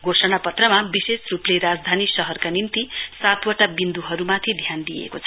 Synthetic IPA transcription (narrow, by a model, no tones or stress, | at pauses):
ɡʱosʌñapʌt̪rʌmabisesrupleɾad͡zd̪ʱanisʌɦʌrkanint̪isat̪wʌʈabind̪uɦʌɾumat̪ʰid̪ʱjand̪ijḛkot͡sʰʌ